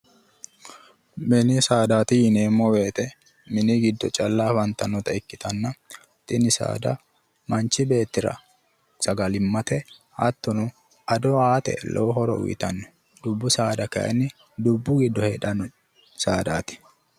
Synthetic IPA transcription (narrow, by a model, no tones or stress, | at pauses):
mɛnɪsaːd̪aːt̪ɪjɪneːmːɔwe̞ːt̪ɛ | mɪnɪɡɪd̪ːɔt͡ʃʼɐlːafɐnt̪ːɐnɔt̪ɐɪkːɪt̪ɐnːɐ | t̪ʼɪnɪsa̰ːd̪ɐ̰ | mɐnt͡ʃːɪbe̞ːt̪ːɪɾɐ̰ | sɐɡɐlɪmːɐt̪ɛ | hɐt̪ːɔnʊ | ɐd̪ɔaːt̪ɛ̰lʔɔ̰wɦɔɾɔ̰ʔʊ̰jɪ̰t̪ɐnːɔ̥ | d̪ʊbːʊsaːd̪ɐkɐ̰ʔɛ̰nːɪ | d̪ʊbːʊɡɪd̪ːɔhɛᶑɐnɔ | saːd̪a̰ːt̪ɪ̥